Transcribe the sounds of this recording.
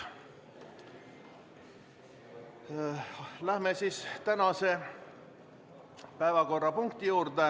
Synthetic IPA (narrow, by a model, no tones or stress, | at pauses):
læhmesiːst̪ænɑse̞ | pæevɑko̞rːɑpuŋkt̪ijuːrd̪e